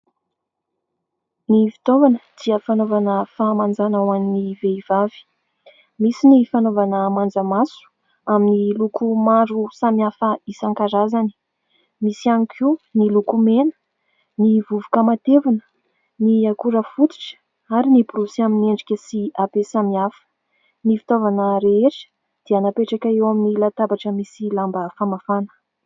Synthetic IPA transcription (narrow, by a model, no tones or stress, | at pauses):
nifi̥t̪ovanəd̪̥iəfanovanəfaːmand͡zanawaniniveivavi̥ | misinifanovanəmand͡zəmasu̥ | aminilukumaɾusamiafəisaŋkaɾazani̥ | misianikʰinilukumenə̥ | nivuvukəmat̪evanə̥ | niakuɾəfut̪i̥ʈ͡ʂə̥ | aɾinibuɾusaminieɳɖ͡ʐikʲəsiabesamiafə̥ | nifi̥t̪ovanəɾeeʈ͡ʂə̥ | d̪̥eanapeʈ͡ʂakaewaminilat̪abaʈ͡ʂəmisilambəfamafanə̥